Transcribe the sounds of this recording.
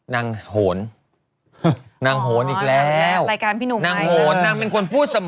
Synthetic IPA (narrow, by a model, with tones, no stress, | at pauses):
naː˧ŋhoː˩˦n | naː˧ŋɦoː˩˦nʔiː˨˩k̚lɛː˦˥˦wɾaː˧jkaː˧npʰiː˥nuː˧˩naː˧ŋhoː˩˦nːaː˧ŋpe˧nkʰo˧npʰuː˥˩t̪̚sa˧m